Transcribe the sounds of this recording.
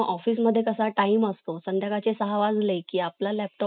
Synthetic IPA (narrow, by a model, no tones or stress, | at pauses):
ʔɔfiːsməd̪ʱːjekəsaʈaiməst̪osənd̪jakat͡sesəɦaʋad͡zlekiːaplalɛp̚ʈɔ